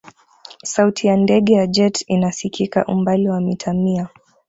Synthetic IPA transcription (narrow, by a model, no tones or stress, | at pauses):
sautʰijandɛɠɛjad͡ʒɛtinasikʰika̰ʔumbaliwamitʰamia